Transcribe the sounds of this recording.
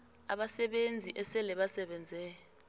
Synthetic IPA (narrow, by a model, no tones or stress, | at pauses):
a̰ɓasɛɓend͡zʱiʔɛsɛlɛɓasɛɓɛnd͡zʱɛjɔ